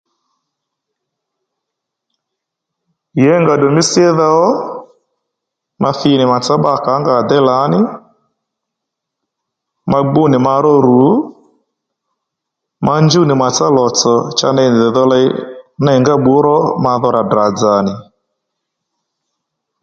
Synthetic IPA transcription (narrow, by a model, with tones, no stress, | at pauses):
jɛ˨˦ŋɡa˨ɗɔ˨mi˦si˦ɛ˦ða˦ɔ˦ | ma˦θi˦nɪ˨ma˨t͡sa˦ɓa˦˨ka˨˦ŋɡa˨d̪ɛ˦la˨˦nɪ˦ | ma˦ɡ͡bu˦nɪ˨ma˧ɾɔ˦ɾu˨˦ | ma˦nd͡ʒu˦nɪ˨ma˨t͡sa˦lɔ˨t͡sɔ˨t͡ʃa̰˦na˦i˨n˨ðɛ˨ðɔ˦la˦i˦na˦i˨ŋɡa˦ɓu˦ɾɔ˦ma˧ðɔ˦ɾa˨dɾa˨d͡za˨nɪ˨